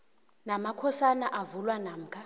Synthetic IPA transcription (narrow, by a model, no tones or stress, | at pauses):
namakʰɔsanaʔavulwanaːm̩kʰa